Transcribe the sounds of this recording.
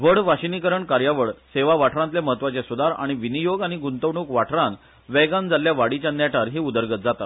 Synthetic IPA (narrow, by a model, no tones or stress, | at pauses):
ʋəɽʋaɕinikəɾəɳkaɾjaʋəɽseʋaʋaʈʰɾãnt̪ljeməɦət̪ʋat͡sesud̪aɾa̰ɽ̃iʋinijoɡaɽ̃iɡunt̪əʋɳuːkʋaʈʰɾan | ʋɛɡãnd͡zaljaʋaɽit͡ɕjanjaʈʰaɾɦiːud̪əɾɡət̪̚d͡zat̪at̪